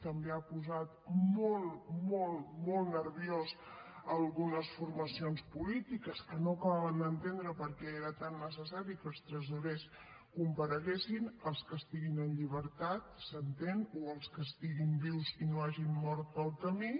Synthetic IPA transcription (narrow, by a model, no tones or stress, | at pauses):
t̪əmbeapuzat̪molˠmolˠmolˠnəɾβjoz | əlˠɣunəsfurməsionspulit̪ikəskənoəkəβaβənd̪ənt̪end̪ɾəpəɾkɛeɾət̪anːəs̬əs̬aɾikəlˠst̪ɾəzuɾes | kumpəɾəɣesinəlˠskəst̪iɣinənʎiβəɾt̪at̪sənt̪enoəlˠskəst̪iɣimbiwzinoaʒimːɔɾt̪əlˠkəmi